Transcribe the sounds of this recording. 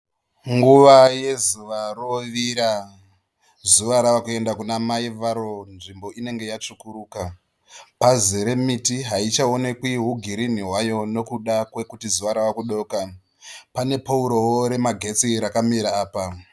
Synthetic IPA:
ŋɡuʋaje̞zuʋaroʋiɾa | zuʋaɾawakue̞ndakunamaiʋaɾo̞nʐimbo̞ine̞ŋɡe̞jat͡ʂukuɾuːka | pazeɾe̞mitiɦait͡ʃaone̞kwiɦuɡʱiɾiniɦwajo̞no̞kuɗakwe̞kutizuʋaɾawakuɗo̞ːka | pane̞pauɾowoɾe̞maɡʱe̞t͡siɾakamiɾaːpa

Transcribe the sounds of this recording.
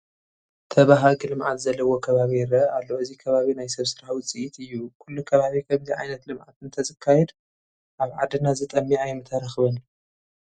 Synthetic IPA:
t̪ʰɐβaɦaɡɨlɨmʕat̪zɐlːɐwo̞kʰɐβaβijɪɾɐalːooɨzikʰɐβaβinajsɐβsɨɾaħwʊt͡sʼiʔit̪ʰɨjːukʰulːukʰɐβaβikʰɐmziʕa̰jnɐt̪lɨmʕa̰t̪ɨnt̪ʰɐzɨkʰːajɛd̪ | ʔaβʕad̪ɨnazɨt̪ʼɐmːiajmɨt̪ʰːɐɾaxβɐn

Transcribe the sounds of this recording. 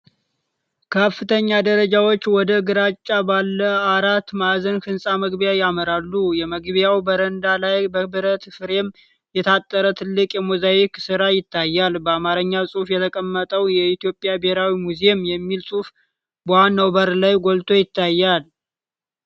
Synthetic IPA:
kʰəfːɨt̪ʰəɲːad̪əɾəd͡ʒawo̞t͡ʃːwɔd̪əɡɨɾat͡ʃʼːabalːəaɾat̪ːmazənkɨnsʼaməɡbjajaməɾalːujɛməɡbjawbəɾənd̪alajbəbɨɾət̪fɨɾe̞m | jɛt̪ʰat̪ʼːəɾət̪ʰɨlːɨkʼjɛmuzajiksɨɾajɪt̪ʰːajːalbəamaɾəɲːawsʼufjɛt̪ʰəkʼəmːət̪ʼəwjɛit̪ijo̞pʼːjabehɾawimuzemjɛmːilsʼuf | boanːəwbəɾlajɡʷolt̪ʰʼo̞jɪt̪ʰːajːal

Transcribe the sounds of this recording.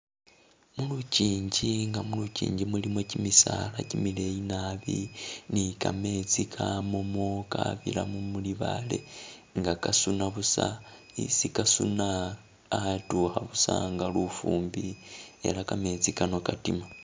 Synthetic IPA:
muluciːɲɟiŋɡamulucḭːɲɟimulimocimisalacimile̞jinaβinikame̞t͡sikʰamomoka̰βila̰mumuliβale̞̰ŋɡakasunaβusa | isikasunaː | tuhaβusaŋɡalufuːmbie̞̰lakame̞t͡sikano̞katima

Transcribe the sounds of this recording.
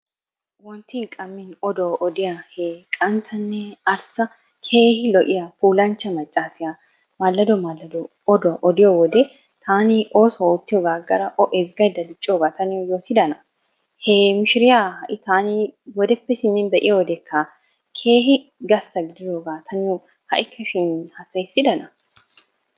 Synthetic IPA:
wɔnt̪iŋkʼɐmːɪnɔd̪oːʔɔd̪ɪjahekʼɐnt̪ʰɐnːɛɐɾsɐ | kʰe̞ːhɪlɔʔɪjɐpuːlɐnt͡ʃːɐmɐt͡ʃʼːaːsɪja | malːɐd̪ɔmalɐd̪o | ɔd̪ɔʔɔd̪ɪjɔwɔd̪ɛ | t̪ʰaːnɪʔo̞ːsɔoːt̪ːɪjɔɡaːɡːɐɾɐʔɔʔɛzɡɐjd̪ɐlɪt͡ʃʼːoːɡaːt̪ɐnɪjɔjo̞ːt̪ɪd̪ɐnɐ | hɛmɪʃɪɾɪjaːhɐʔɪt̪aːnɪwɔd̪ɛpːɛsɪnːɛnbɛʔɪjɐwɔd̪ɛkʰːaː | kʰe̞ːɦɪ | ɡɐst̪ɐɡɪd̪ɪd̪oɡaːt̪ʰɐnɪɔ | hɐ̰ʔɪkʰːɐʃɪnhɐsɐjsːɪd̪ɐnɐ

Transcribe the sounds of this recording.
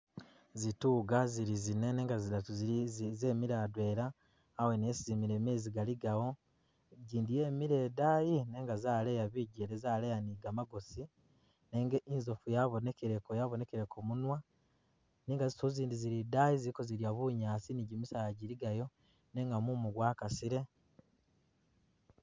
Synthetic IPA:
zituːɡaziɾizinene̞ːŋɡazidatuzizeːmiɾaːdwe̞ːɾaː | wenesizimiɾe̞ːmeːziɡaliɡawo̞ | ɟiːndije̞ːmiɾe̞ːdaːjine̞ːŋɡazaːle̞jaβiɟeɾezaːlejaniɡamaɡosi | neːŋɡeʔinzo̞fujaβonekeɾekojaβo̞ne̞keɾekʰomunwa | niːŋɡazisoziːndiziɾidajiziikoziɾjaβuɲaːsiniɟimisajaɟiɾiɡajo̞ | ne̞ŋɡamumuɡwaːkasiɾe̞

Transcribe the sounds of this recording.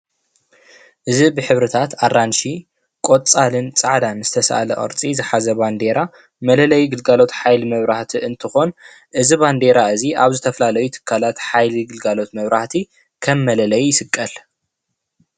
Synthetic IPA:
ʔɨzibɨħɨβɾɨt̪ʰat̪arːanʃi | kʼot͡sʼalɨnt͡sʼaʕd̪anz̥ɨt̪ʰɐsɐ̰ʔa̰lɐʔʼɐ̰ɾt͡sʼizɨħazɐband̪e̞ɾa | mɐlɐlɐjɡɨlɡalo̞t̪ħajlimɐβɾaħt̪ʰiʔɨnt̪ʰɨxo̞n | ʔɨziband̪e̞ɾaɨziʔaβzɨt̪ʰɐfɐlalɐjut̪ʰɨ̥kʰːalat̪ħajliɡɨlɡalo̞t̪mɐβɾaħt̪ʰi | kʰɐmːɐlɐlɐjːɪsɨkʼːɐl

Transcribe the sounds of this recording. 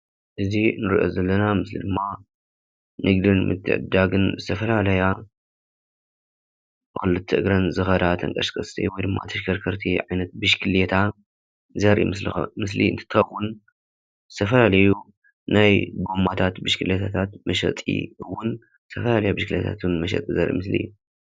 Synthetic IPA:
ʔɨzinɨɾiʔozɐlːɐnamɨslḭd̪ɨmːa | nɨɡd̪ɨnmɨ̰t̪ʰːɨ̰ʕɨ̰d̪ːaɡɨnzɨt̪ʰɐfɐlalɐja | bxɨlɨt̪ʰːɨʔɨɡɾɐnzɨxɐd̪at̪ʰɐ̰ŋkʼɐʃkʼɐst̪ʰḭwɔjd̪ɨmːa̰t̪ʰɐʃkʰɐɾkʰɐɾt̪ʰiʕajnɐt̪̚bɨʃkʰɨlet̪ʰa | zɐɾʔḭmɨslixmɨs̬lḭɨnt̪ʰɨ̥t̪ʰːɨxɐwːʊn | zɨ̥t̪ʰɐfɐlalɐju | najɡo̞mːat̪ʰat̪bɨʃkʰɨljet̪ʰat̪ʰat̪mɐʃɐ̰t̪ʼḭɨwːʊn | zɨt̪ʰɐfɐlalɐjabɨʃkɨlḛt̪ʰa̰t̪nmɐʃɐ̰t̪ʼizɐɾʔḭmɨslḭ

